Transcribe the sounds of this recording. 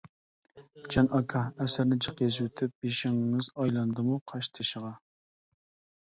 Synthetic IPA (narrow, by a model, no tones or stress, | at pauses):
d͡ʒɑnʔɑkʰɑɛsɪɾnɪd͡ʒəqjezwɪt̪ʰɪp̚beʃɪŋːɨzɑjlˠɑnd̪ɨmuqʰɑʃt̪ʰɨʃəʁɑ